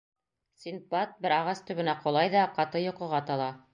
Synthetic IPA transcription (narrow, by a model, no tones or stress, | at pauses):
sʲinpat̪̚bɘɾɑʁɑst̪ɵ̆βɘ̆næqŏlˠɑjðɑqɑt̪ɤjŏqɤ̆ʁɑt̪ɑlˠɑ